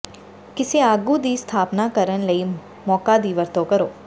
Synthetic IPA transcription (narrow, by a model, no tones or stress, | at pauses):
kɪseːaːɡuːd̪iːst̪ʰaːpnaːkəɾənləiː | mɔːkaːd̪iːʋəɾt̪oːkəɾoː